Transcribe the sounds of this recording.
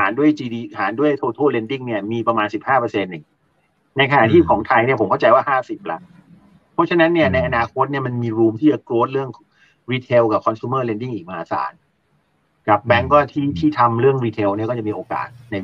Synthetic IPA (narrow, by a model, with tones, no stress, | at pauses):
ha̰ː˩˦ndu˥˩əjt͡ɕiː˧diː˧haː˩˦ndu˥˩əjt̪ʰoː˧t̪ʰoː˥˩le˧ndi˥˩ŋni˥˩ɐmiː˧pɾa˧maː˧nsi˨˩p̚haː˥˩pɤ˧se˧nːɯ˨˩ŋ | na˧jkʰa˧na̰˨˩ʔt̪ʰiː˥˩kʰɔː˩˦ŋt̪ʰa˧jni˥˩pʰo˩˦kʰa˥˩wt͡ɕa˧jwaː˥˩ɦaː˥˩si˨˩p̚la̰˨˦˥ʔ | pʰɔ˦˥t͡ɕʰa˦˥na˦˥nːi˥˩ɐna˧jʔa˧naː˧kʰo˦˥t̪̚ni˥˩ɐma˧nmiː˧ɾuː˧mt̪ʰiː˥˩t͡ɕa˨˩kloː˦˥t̪̚ɾɯ˥˩əŋ | ɾiː˧t̪ʰeː˧wka˨˩kʰɔ˧nsu˧məː˥˩le˧ndi˥˩ŋʔiː˨˩k̚ma˧haː˨˦sa̰ː˩˦n | ka˨˩p̚bɛ˦˥ŋkɔː˥˩t̪ʰiː˥˩t̪ʰiː˥˩t̪ʰa˧mɾɯ˥˩əŋɾiː˧t̪ʰe˧wni˥˩kɔː˥˩t͡ɕa˨˩miː˧ʔoː˧ka̰ː˨˩t̪̚na˧